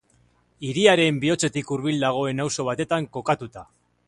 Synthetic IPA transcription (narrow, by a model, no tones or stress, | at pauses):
iɾiaɾe̞mbio̞t͡se̞t̪ikuɾβild̪aɣ̞o̞e̞nawso̞β̞at̪e̞t̪aŋko̞kat̪ut̪a